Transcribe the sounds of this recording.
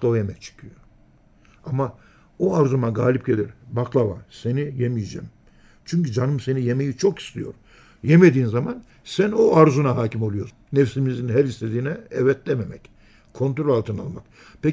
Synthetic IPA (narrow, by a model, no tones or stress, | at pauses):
lˠavajemɛc̚t͡ʃʰɯ̥kʰɯjo | ama | oaɾzumaɡaːlʲip̚ɟelʲiɾbaklˠava̰se̞nijemijd͡ʒɛ̰ːm | t͡ʃʰyɲcyd͡ʒanɯmse̞nije̞me̞jit͡ʃʰo̞ki̥st̪ʰijo̞̰ɾ | jemed̪iːnzaman | sænoaɾzunaɦaːcʰimolˠujo̞ɾ | nefsimizinɦæɾist̪ʰed̪iːnɛɛvɛt̪lɛmemɛc | kʰo̞nt̪ɾolʲalˠt̪ʰɯna̰lˠmak | pʰe